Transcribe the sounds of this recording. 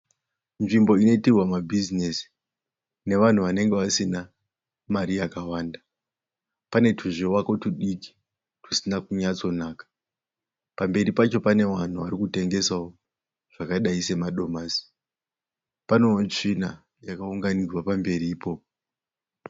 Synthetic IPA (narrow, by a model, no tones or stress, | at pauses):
nʐimbo̞ino̞itirwamabʱizinesi̥ | ne̞ʋan̤uʋane̞ŋɡeʋasina | maɾijakawaːnda | pane̞tʰuʐewako̞tuɗiki̥ | tu̥sinakuɲat͡so̞naːkḁ | pambe̞ɾipat͡ʃo̞pane̞ʋan̤uʋaɾikute̞ŋɡe̞sao | ʐ̥akaɗaise̞maɗo̞maːsi̥ | pano̞ːnt͡ʂina | jakauŋɡanirwapambe̞ɾiːpo̞ːpo